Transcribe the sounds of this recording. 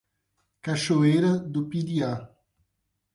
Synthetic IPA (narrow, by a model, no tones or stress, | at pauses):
kaʃoejɾɐd̪ʊpid̪ia